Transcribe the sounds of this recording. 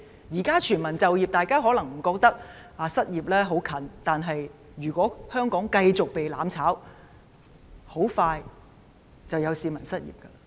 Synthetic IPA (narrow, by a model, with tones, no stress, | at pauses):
jiː˨˩kaː˥t͡ʃʰyː˨˩nmɐ˨˩nt͡sɐ˨wjiː˨p̚t̪aː˨˧jkaː˥ɦɔː˨˥lɐ˨˩ŋm̩˨˩kɔː˧k̚t̪ɐ˥k̚ | aː˨˧sɐ˥t̚jiː˨˩p̚lɛː˥ɦo˨˥wkʰɐ˨˥nt̪aː˨nɦɐ˨j | jyː˨˩kʷɔː˨˥hœː˥ŋkɔː˨˥ŋkɐ˧jt͡sʊ˨k̚pe˨jlaː˨˥mt͡sʰaː˨˥w | ho˨˥wfaː˧j | t͡sɐ˨wjɐ˨˧wsiː˧mɐ˨˩nsɐ˥t̚jḭː˨˩p̚kɐ˧